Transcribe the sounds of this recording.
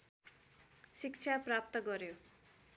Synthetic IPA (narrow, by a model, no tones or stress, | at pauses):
sik̚t͡sʰaprap̚t̪ʌɡʌɾjo